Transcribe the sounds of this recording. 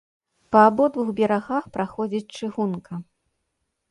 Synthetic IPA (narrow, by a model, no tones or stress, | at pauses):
pɐːbɔd̪vuxbʲɛɾaɣaxpɾaxɔd͡zʲit͡sʲt͡ʂɨɣunkɐ